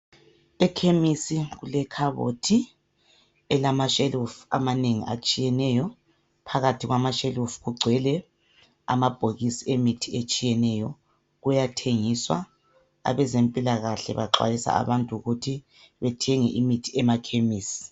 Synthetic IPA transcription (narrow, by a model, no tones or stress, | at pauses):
ɛkʰemisiɣulɛkʰaβo̰tʰi | ɛlamaʃelufa̰maneŋḭʔa̰t͡ʃʼijɛnɛjɔ | pʰaɣatʰiɣwamaʃelufɣuɡ͡ǀʱwɛlɛ | a̰mab̥ʱoɣisiemitʰiet͡ʃʼijɛnɛjɔ | ɣujatʰeŋiswa̰ | a̰βɛzempʼilaɣaɬɛ̰βaǁwa̰jisa̰a̰βantʼuuɣutʰi | βɛtʰɛŋɛ̰ʔimitʰiɛmakʰemiːsi̥